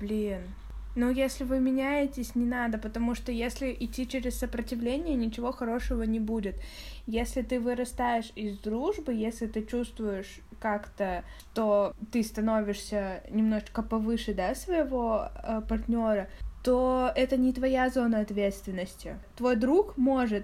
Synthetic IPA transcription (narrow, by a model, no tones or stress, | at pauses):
b̥lʲinː | ujesʲlʲɪvɨmʲɪnʲæjɪtʲɪsʲnʲɪnad̪əpət̪ɐmuʂt̪ojesʲlʲɪʔɪtʲːit͡ɕeɾʲɪssəpɾətʲɪvlʲenʲɪjənʲɪt͡ɕɪvo̞xɐɾo̞ʂəvənʲɪbudʲɪt̪jesʲlʲɪt̪ɨvɨɾɐst̪ajɪʂɪzd̪ɾuʐbɨjesʲlʲɪt̪ɨt͡ɕust̪vʊjɪʂ | kakt̪əʂt̪ot̪ɨst̪ɐno̞vʲɪʂsʲənʲɪmno̞ʐɨt͡ɕkəpɐvɨʂɨd̪asvəɪvo̞əpɐrt̪ʲnʲo̞ɾət̪o̞ɛt̪ənʲɪt̪vɐjazo̞nəɐt̪vʲet̪st̪vʲɪnːəsʲtʲɪ̰t̪vo̞jd̪ɾukmo̞ʐɨt̪̚